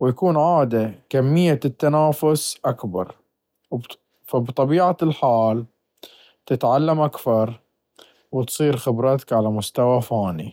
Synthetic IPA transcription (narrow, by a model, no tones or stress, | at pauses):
wjakuːnʕaːd̪akamːɪjːat̪ːanaːfʊsʔakbɑ̰ɾˤ | fabt̪ˤɑbiːʕalħaːl | t̪ɪt̪ʕalːamʔakθɑɾˤ | wt̪sˤiːɾxɪbɾˤɑt̪ḁkʕalamʊst̪awafaːni